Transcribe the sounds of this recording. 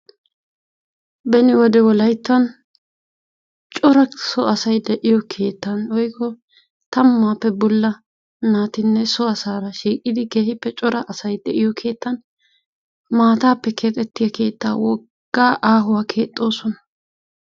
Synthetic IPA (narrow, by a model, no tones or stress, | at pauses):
bɛnɪwɔd̪ɛwɔlɐjt̪ːɐn | t͡ʃʼɔɾɐsɔɐsɐjd̪ɛʔɪjɔkʰe̞ːt̪ːɐnwɔjkːɔ | t̪ɐmːaːpːɛbɔlːɐ | naːt̪ɪnːɛsɔɐsaːɾɐʃiːkʼːɪd̪ɪɡe̞ːhɪpːɛt͡ʃʼɔɾɐʔɐsɐjd̪ɛʔɪjɔkʰe̞ːt̪ːɐn | maːt̪aːpːɛkʰe̞ːt̪ʼɛt̪ːɪjɐkʰe̞ːt̪ːa̰ːwɔ | ɡ̥ːaːʔaːɦʊwaːkʰe̞ːt̪ʼːo̞ːsɔnɐ̥